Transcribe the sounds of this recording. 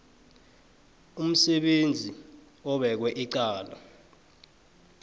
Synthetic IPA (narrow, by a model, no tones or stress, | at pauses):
um̩sɛɓend͡zʱi | ɔɓɛk̬wɛʔiǀaːla̰